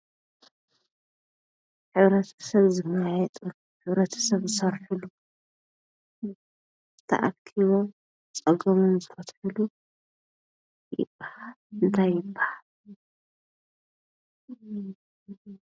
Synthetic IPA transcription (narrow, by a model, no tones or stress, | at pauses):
ħɨβɾɐt̪ʰɐ̥sɐβzɨmajɛt̪ʼuluħɨβɾɐt̪ʰɐ̥sɐβzɨsɐɾħulu | t̪ʰɐ̰ʔa̰kʰiβo̞ | t͡sʼɐɡɐmomzɨfɐt̪ħɨlu | jɪ̰bahalɨnt̪ʰajːɪbːahal